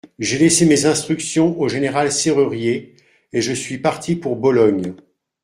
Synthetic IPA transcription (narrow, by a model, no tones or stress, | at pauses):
ʒelesemezɛ̃st̪χyksjɔ̃oʒeneʁalseʁyʁje | eʒəsɥipaʁt̪ʰipuʁbɔlɔɲ